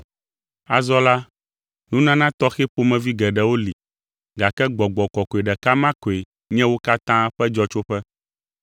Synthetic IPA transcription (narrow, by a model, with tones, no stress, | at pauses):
a̰˨zɔ˦la˦ | nũ˦nã˦nã˦t̪ɔ˦xe˦ɸo˦mɛ̃˨vi˦ɡɛ˨ɖɛ˨wo˦li˨ | ɡa˨kɛ˦ɡ͡bɔ˨ɡ͡bɔ˨kɔ˨kɔ˨e˨ɖɛ˨ka˦mã˦kɔ˨e˨ | ɲɛ̃˦wo˦ka˦t̪ã˦ɸɛ˦d͡ʒɔ˦t͡ʃo˦ɸɛ˦